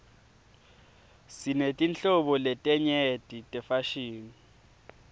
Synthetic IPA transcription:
sinetʼint͡ɬɔɓɔlɛtʼɛɲɛtʼitʼɛfaʃiːni

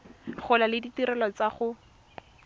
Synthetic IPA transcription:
χʊlalɪditiɾɛlɔt͡saχʊ

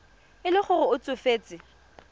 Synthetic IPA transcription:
ɪlɪχʊrʊʊt͡sʼʊfeːt͡sʼɪ

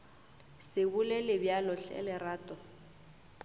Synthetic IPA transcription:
sɪbʊlelɪbjalɔɬɛ̰lɪraːtʼɔ

